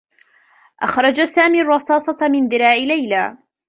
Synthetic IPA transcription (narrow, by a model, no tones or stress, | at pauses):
ʔa̰xɾˤɑd͡ʒasaːmiːrˤːɑsɑːsˤɑmɪnðɪɾɑːʕɪlajla̰ː